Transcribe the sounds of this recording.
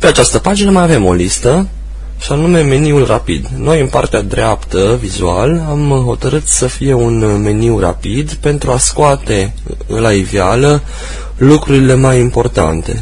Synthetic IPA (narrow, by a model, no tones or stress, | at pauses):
pe̞at͡ʃast̪əpad͡ʒinəmajave̞mo̞list̪ə | ʃanume̞me̞niulrʔapḭd̪no̞jɨnpart̪ead̪ɾeapt̪əvizṵa̰lamɦo̞t̪əɾɨt̪səfije̞unme̞niwra̰pid̪pe̞nt̪ɾuaskoat̪e̞ | laivjalə | lukɾuɾile̞majimpo̞rt̪a̰nt̪e̞̰